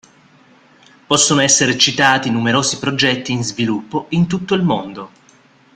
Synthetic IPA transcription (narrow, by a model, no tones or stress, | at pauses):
pɔsːonoɛsːeɾet͡ʃit̪aːt̪inumeɾoːzipɾod͡ʒɛt̪ːiːnzvilupːoint̪ut̪ːoilmond̪o